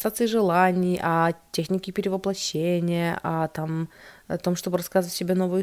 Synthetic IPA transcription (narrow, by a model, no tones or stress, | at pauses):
sat̪sɨɪʐɨlˠanʲɪjʔɐtʲexnʲɪkʲɪpʲɪɾʲɪvəplˠɐɕːenʲɪjəʔɐt̪amt̪o̞mʂt̪o̞bɨɾɐskazəvətʲsʲɪbʲenovɨjʊ